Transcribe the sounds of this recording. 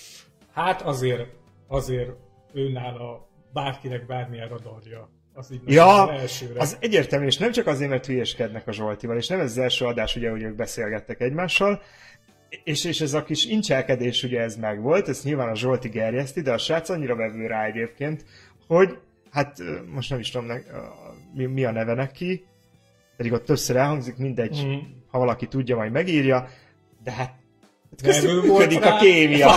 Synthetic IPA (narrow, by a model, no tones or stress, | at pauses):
hat̪ɒzeːɾ | ɒzeːr | øːnaːlɒ | baːrkinɛɡbaːrmiɛrɒd̪ɒrjɒ | ɒziːɟnjjɒːɛlʃøːɾɒzɛɟːeːrt̪ɛlmyeːʃnɛmt͡ʃɒkɒzeːrmɛrt̪ʋijɛʃkɛd̪nɛkɒʒo̞lt̪ivɒleːʃnɛmɛzɒzɛlʃøːɒd̪aːʃuɟɛɦoɟøːɡ̚bɛseːlɡɛt̪ːɛkɛɟmaːʃːɒl | eːʃeːʃɛzɒkiʃint͡ʃɛlkɛd̪eːʃuɟɛɛzmɛɡʋo̞lt̪ɛst̪ɲilvaːnɒʒo̞lt̪iɡɛrjɛst̪id̪ɛɒʃaːt̪sɒɲːiɾɒvɛvøːɾaːɛɟeːp̚keːnt̪ | ho̞ɟ | hat̪ːmo̞ʃtnɛmiʃt̪ud̪mnɛ | miɒnɛvɛnɛkʰːi | pɛd̪iɡo̞t̪ːøpsøɾɛlɦɒŋzikmind̪ɛɟhɒvɒlɒkit̪uɟːɒmɒɟmɛɡiːrjɒ | d̪ɛɦat̪̚ | t̪mɛɡvold̪ikɒkeːmijɒ